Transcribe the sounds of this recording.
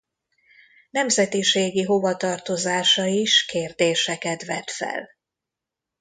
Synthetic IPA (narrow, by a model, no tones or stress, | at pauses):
nɛmzɛt̪iʃeːɡiɦo̞vɒt̪ɒrt̪o̞zaːʃɒiʃkeːrd̪eːʃɛkɛt̪ʋɛ̰t̪fɛ̰l